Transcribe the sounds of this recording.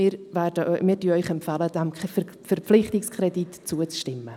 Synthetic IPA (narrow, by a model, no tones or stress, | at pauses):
ɪːɾvɛdəʔmɪːɾdyœʏχɛmpfaləd̥ɛm | fɛrplɪχtɪkskʰɾɛditt͡suət͡sʃtɪmːə